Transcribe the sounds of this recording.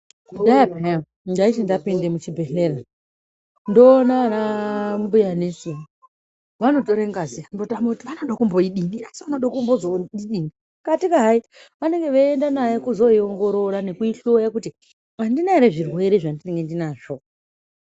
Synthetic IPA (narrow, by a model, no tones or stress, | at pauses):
aabʱea | ɡaiʃindapindemut͡ʃibʱe̞ɬeɾa | ndo̞ːnaanambujanesimu | ʋano̞toɾeŋɡaziandotamoutiʋanoɗokumboiɗiniasiʋanoɗakumbozoiɗini | katikaɦai | ʋane̞ŋɡe̞ʋaendanajekuzo̞ioŋɡo̞ɾo̞ɾane̞kuiɬojakuti | andinaeɾeʐirwe̞ɾeʐandine̞ŋɡendinaːʐo